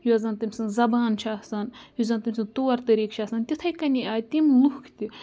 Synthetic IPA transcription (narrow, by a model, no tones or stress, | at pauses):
juɐzɐnt̪ɨmʲsɐnzɐbaːnt͡ʃʰaːsɐnjuzɐnt̪ɨmʲsɐnt̪oːɐɾt̪ɐɾiːkt͡ʃʰaːsɐnt̪ʲit̪ʰɐjkɐnʲiʔaːt̪ʲimluhkʰt̪ʲi